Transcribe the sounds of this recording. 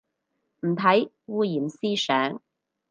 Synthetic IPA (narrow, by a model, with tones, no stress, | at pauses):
m̩˨˩t̪ʰɐ˨˥j | wuː˧jiː˨˩msiː˥sœː˨˥ŋ